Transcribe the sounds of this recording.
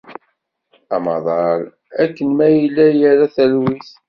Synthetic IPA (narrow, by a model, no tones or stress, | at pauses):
ɑ̰mɑ̰ðˤɑɾ | ækːənmæjəlːæjəɾæθælwiθ